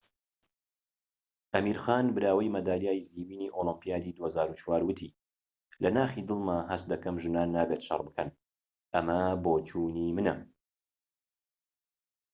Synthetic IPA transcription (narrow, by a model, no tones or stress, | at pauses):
ʔɐmiːɾxaːnbɨɾaːwɐjmɐd̪aːlijaːjiziːwiːniːʔolɨmpijaːd̪iːd̪uhɐzaːɾut͡ʃwaːɾwɨt̪ʰḭ | lɐnaːxid̪ɨlˠmaɦɐst̪̚d̪ɐkɐmʒɨnaːnːaːbet̪ʃɐ̰rˤbɨkʰɐn | ʔɐmɐboːt͡ʃʰuːniːmɨnɐ̰